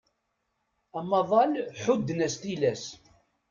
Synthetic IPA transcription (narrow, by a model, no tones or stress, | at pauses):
æmɑðˤɑlħʊd̪ːnæst̪ilæs